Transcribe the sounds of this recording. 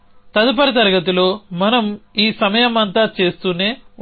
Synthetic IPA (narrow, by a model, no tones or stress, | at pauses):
t̪ɐd̪ɐp̬ɐɾit̪ɐɾɐɡɐt̪̬ulo̞ːmɐnɐmiːsɐmɐjɐmɐnt̪aːt͡ʃe̞ːst̪uːne̞ː